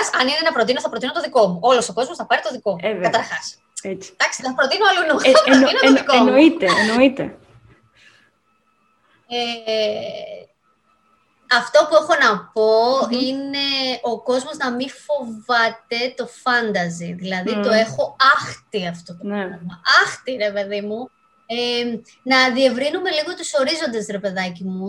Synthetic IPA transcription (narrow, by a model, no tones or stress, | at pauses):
sɐninenɐpɾo̞t̪inoθɐpɾo̞t̪inot̪oðiko̞muʔo̞losoko̞zmo̞sθɐpɐɾit̪oðiko̞mukɐt̪ɐɾxɐs | et͡si̥t̪ɐkst̪θɐpɾot̪inoɐlunoɐpot̪inooikomnoit̪enoit̪e | e | ɐft̪o̞pue̞xo̞nɐpo̞ine̞o̞ko̞zmo̞znɐmifo̞vɐt̪e̞t̪o̞fɐnd̪ɐziðilɐðit̪o̞e̞xo̞ɐxt̪iɐft̪ot̪oɐmɐʔɐxt̪iɾe̞pe̞ðimu | e | nɐðie̞vɾinume̞liɣo̞t̪uso̞ɾizo̞nd̪e̞sɾepe̞ðɐcimu